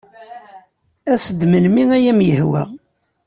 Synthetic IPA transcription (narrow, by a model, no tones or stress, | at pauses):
æsəd̪məlmiŋæjæmjəhwæ̰